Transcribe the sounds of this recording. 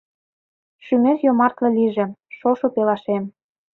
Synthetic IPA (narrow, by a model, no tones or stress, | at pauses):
ʃymerjomɑrt̪lɤ̆liʒĕʃoʃopelɑʃem